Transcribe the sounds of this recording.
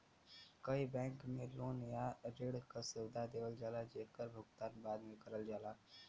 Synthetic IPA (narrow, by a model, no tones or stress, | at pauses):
kəibɛ̃ːŋkmẽloːnjaɾeːɽkasɪwd̪ad̪eːʋəld͡ʒaːlad͡ʒeːkəɾbʱʊɡt̪aːnbaːd̪mẽkəɾəld͡ʒaːla